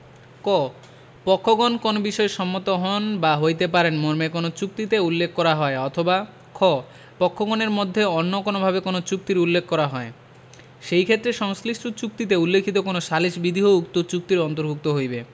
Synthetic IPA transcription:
kɔ | pɔkʰːoɡonkonobiʃɔeʃɔmːot̪oɦɔnbaɦojt̪epaɾenmoɾmekonot͡ɕuk̚t̪it̪eulːekʰːkɔɾaɦɔeɔt̪ʰoba | kʰɔ | pɔkʰːoɡoneɾmod̪ʱːeonːokonobʱabekonot͡ɕuk̚t̪iɾulːekʰːkɔɾaɦɔe | ʃejkʰet̪ːɾeʃɔŋsliʃtut͡ɕuk̚t̪it̪̬eulːekʰit̪okonoʃaliʃbid̪ʱiɦoukt̪ot͡ɕuk̚t̪iɾɔnt̪oɾbʱuk̚t̪oɦojbe

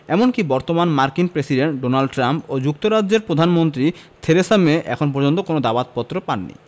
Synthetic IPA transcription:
ɛmonkibɔɾt̪omanmaɾkinpɾesiɖeɳʈ̚ɖonalɖʈɾampod͡ʑukt̪oɾad͡ʑːeɾpɾod̪ʱanmont̪ɾit̪ʰeɾesameʔɛ̰kʰonp̬ɔɾd͡ʑont̪okonod̪abat̪̚pɔt̪ːɾopanːḭ

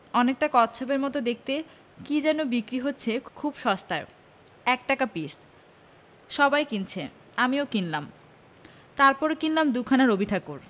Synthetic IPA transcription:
ɔnek̚ʈakɔt̪ɕʰobeɾmɔt̪od̪ek̚ʰt̪e | kid͡ʑɛnobikɾiɦotːɕʰekʰubʃɔst̪ae | ɛkʈakapis | ʃɔbajkint͡ɕʰe | amiokinlam | t̪aɾpɔɾekinlamd̪ukʰanaɾobiʈʰakuɾ

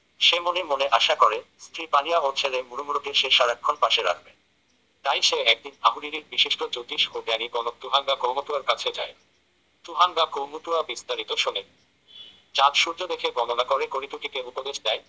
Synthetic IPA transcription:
ʃemonemoneʔaʃakɔɾest̪ʰɾipanijaott͡ɕʰeɾemuɾumuɾot̪eʃeʃaɾakʰːonpaʃeɾa̰kʰben | t̪ajʃeɛk̚d̪inaɦuɾiɾiɾbiʃiʃʈod͡ʑot̪iʃoɡaniɡɔnot̪uɦaŋɡakomot̪uaɾkat͡ɕʰed͡ʑae | t̪uɦaŋɡakomot̪uabist̪aɾit̪oʃunen | t͡ɕãt̪ʃuɾd͡ʑod̪ekʰeɡɔnonakoɾekoɾit̪ukik̪eupod̪eʃd̪ɛe

